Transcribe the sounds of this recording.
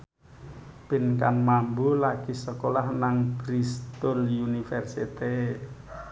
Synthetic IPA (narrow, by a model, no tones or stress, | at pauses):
b̥i̤nka̰nmambulaɡ̥isəkolahnaŋb̥ɾist̪ʊljunifɛrsit̪e